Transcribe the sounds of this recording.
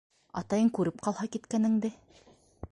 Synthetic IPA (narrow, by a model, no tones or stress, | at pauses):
ɑ̰t̪ɑjɤŋkʉɾɘp̚qɑlˠhɑkit̪kænɘ̆ŋd̪ɘ